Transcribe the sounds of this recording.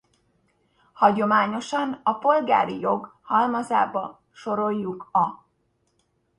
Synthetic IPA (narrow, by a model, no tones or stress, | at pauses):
hɒɟo̞maːɲo̞ʃɒnɒpo̞lɡa̰ːɾijo̞ɡhɒlmɒza̰ːbɒ | ʃo̞ɾo̞jːukɒ